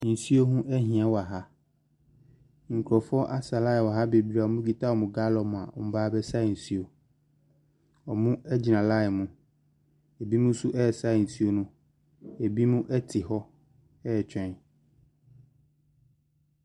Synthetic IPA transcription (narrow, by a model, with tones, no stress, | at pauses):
n̩˨si˦o˦ɦũ˦ʔɛ˦ɦĩ˨ã˦wɔ˨a˨ɦa˦ | ŋ̩˨kʰɾɔ˨fɔ˦ʔa˦sa˨la˦ɛ˨wa˨ɦa˦be˨bi˦ɾa˨ɔ˨mʊ̃˦ɡi˨tʰa˦wɔ˨mʊ̃˨ɡa˦lɔ˨m̃˨a̰˨ɔ̰˨m̩˨˦baː˦bɛ˦sa˦˨n̩˨si˦o˨ | ɔ˨mʊ̃˦ɛ˦d͡ʑi˨nã˨la˦ɛ˨mʊ̃˦ | e˨bi˦mʊ̃˦su˦ʔɛ˦˨sa˦˨n̩˨si˦o˦nʊ̃˦ | e˨bi˦mʊ̃˦ʔɛ˦tʰɪ˨hɔ˦ | ɛ˦˨t͡ɕʰᶣɛ̃˦n˨